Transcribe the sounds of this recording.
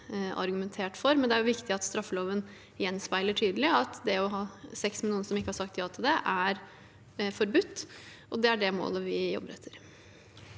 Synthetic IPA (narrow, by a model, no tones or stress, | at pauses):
ɑ̰ɾɡʉmɛnt̪ʰeːʈfɔɾmɛnd̪ɛæɾjʊʋɪkt̪ɪɑt̪st̪ɾɑfːəloːʋən | jɛnːspæɪləʈʰyːd̪əlɪɑt̪d̪ɛɔɦɑːsɛksmɛluːənəsɔmɪkːəhɑʂɑk̚t̪jɑːt̪ʰɪld̪ɛʔæɾ | fɔɾbʉt̪ːʔɔd̪ɛæɖɛmo̰ːləʋɪjɔ̰bːəɾɛt̪ʰːəɾ